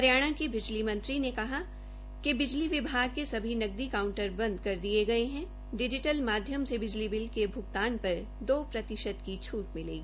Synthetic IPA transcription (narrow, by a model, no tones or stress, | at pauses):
ɐɾjaːɽ̃ãkebɪd͡ʒlimɐ̃nt̪ɾinekɐɦa | kebɪd͡ʒliʋɪbʱaːɡ̚kesɐbʱinɐɡ̚d̪ikaːʊ̃ɳʈəɾbɐ̃nd̪kɐɾd̪ieɡɐeɦɛ̃ | ɖɪd͡ʒɪʈəlmaːd̪ʱjəmsebɪd͡ʒlibɪlkebʱʊɡt̪aːnpɐɾ | d̪oːpɾɐt̪ɪʃəd̪kit͡ʃʰuːʈmɪlḛːɡiː